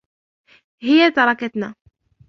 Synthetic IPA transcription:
hɪjːat̪ɑɾˤɑkat̪na

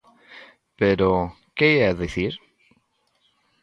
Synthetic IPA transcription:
peɾo | keeaðeθiɾ

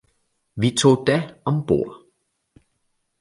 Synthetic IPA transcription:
ʋit͡sʰo̝̰ːd̥æɒ̽mb̥o̝ɐ̰

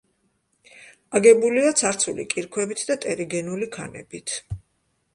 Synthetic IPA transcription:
aɡɛbuliat̪sʰaɾt̪sʰulḭkʼiɾkʰwɛbit̪ʰd̪at̪ʼɛɾiɡɛnulikʰa̰nɛ̰bit̪ʰ

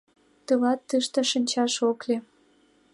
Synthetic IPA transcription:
t̪ɨlɑt̪ːɨʃt̪ĕʃə̆nʲt͡ɕɑʃoklʲe

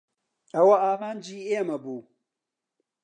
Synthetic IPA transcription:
ɐwɐaːɣaːnd͡ʒiːemɐbuː

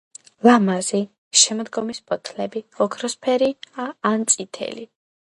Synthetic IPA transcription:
lamazi | ʃɛmɔd̪ɡɔmispʼɔt̪ʰlɛbiɔkʰɾɔspʰɛɾiaːnt̪sʼit̪ʰɛ̰li

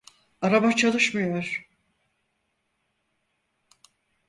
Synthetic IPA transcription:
aɾabat͡ʃʰalˠɯʃmɯjo̞ɾ̥

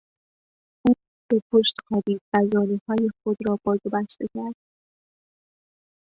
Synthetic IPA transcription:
ʔuː | b̥e̞pʰoʃt̪qæbiːb̥æzɒːniːhɒːje̞xod̪ɾɒːbɒːzobæst̪ecʰæɾd̪̥̚

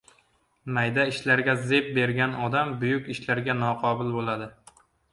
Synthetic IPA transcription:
majd̪aɪʃlaɾɡʲazep̚be̞ɾɡʲanɒd̪ambʊjʊkʲɪʃlaɾɡʲanɒqʰɒbʊlˠbolad̪ɪ

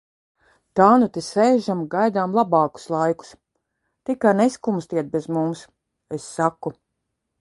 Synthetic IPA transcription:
t̪aːnut̪isɛjʒamɡajd̪aːmlˠabɑːku̥slˠajku̥s | t̪ikaneskumst̪iɛt̪̚bezmums | esːaku

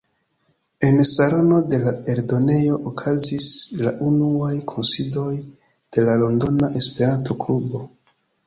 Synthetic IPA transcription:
e̞nsalo̞no̞de̞lae̞ɾdo̞ne̞jo̞ʔokʰazislaʔunuajkʰo̞nsido̞j | d̥e̞lalo̞ndo̞naʔe̞spe̞ɾanto̞klubo̞

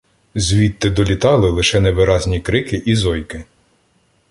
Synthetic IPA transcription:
zʲʋʲit̪ːɪd̪ɔlʲit̪ɑlˠɪlˠɪʃɛnɛʋɪɾɑzʲnʲikɾɪkɪʔizɔjkɪ

